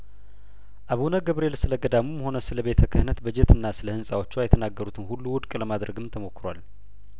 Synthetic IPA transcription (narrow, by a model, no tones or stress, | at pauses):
ʔaβunəɡəβɾe̞lsɨləɡəd̪amumho̞nəsɨləβe̞t̪ʰəkʰɨhɨnət̪bəd͡ʒet̪ʰɨnːasɨləhɨnsʼawo̞t͡ʃːwajɛt̪ʰənaɡːəɾut̪ʰɨnhulːuwʊd̪kʼləmad̪ɾəɡɨmt̪ʰəmo̞kːɨɾa̰l